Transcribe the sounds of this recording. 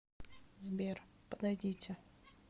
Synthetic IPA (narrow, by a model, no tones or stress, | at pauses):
zbʲerpəd̪ɐjdʲitʲɪ